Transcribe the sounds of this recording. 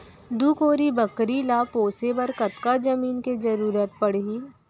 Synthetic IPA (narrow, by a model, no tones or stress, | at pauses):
d̪uːkoːɾibɐkɾilaːpoːsebɐɾkɐt̪kad͡ʒɐmiːnkezɐɾuːɾət̪̚pɐɽ̤i